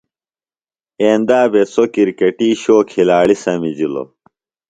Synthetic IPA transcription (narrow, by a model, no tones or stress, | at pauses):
eːnd̪aːbesokiɾkeʈiːɕoːkʰilaːɭisɐmid͡ʑilo̰